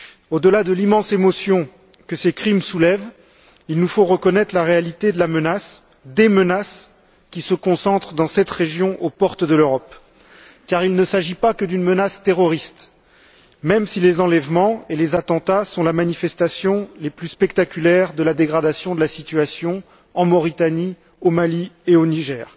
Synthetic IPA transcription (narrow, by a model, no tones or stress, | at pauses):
od̪əlad̪əlimɑ̃semɔsjɔ̃ | kəsekχimsulɛv | ilnufoʁəkɔnɛt̪χlaʁealit̪ed̪əlamənas | d̪emənas | kʲisəkɔ̃sɑ̃t̪χəd̪ɑ̃sɛt̪χeʒjɔ̃ʔopɔʁt̪əd̪əløʁɔp | kaʁilnəsaʒipakəd̪ynmənast̪eʁɔʁist̪ | mɛmsilezɑ̃lɛvmɑ̃elezat̪ɑ̃t̪asɔ̃lamanifɛst̪asjɔ̃leplyspɛkt̪akʲylɛʁd̪əlad̪eɡʁad̪asjɔ̃d̪əlasit̪ɥasjɔ̃ | ɑ̃mɔʁit̪ani | omalieoniʒɛːʁ